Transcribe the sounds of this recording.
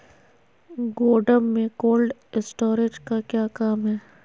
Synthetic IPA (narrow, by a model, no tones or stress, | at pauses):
ɡoːɖəmːẽkoːlɖɪsʈoːɾɪd͡ʒkakjaːkaːmɦɛː